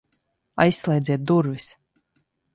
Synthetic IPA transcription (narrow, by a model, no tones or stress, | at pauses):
a̰jsːlˠɛjd̪zʲiɛt̪̚d̪uɾvis